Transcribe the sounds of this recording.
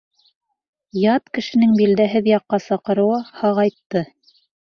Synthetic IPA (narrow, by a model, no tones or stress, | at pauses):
jɑt̪kɘ̆ʃɘ̆nɘŋbild̪æɦɘðjɑqːɑsɑqɤ̆ɾɤ̆wɤhɑʁɑjt̪ːɤ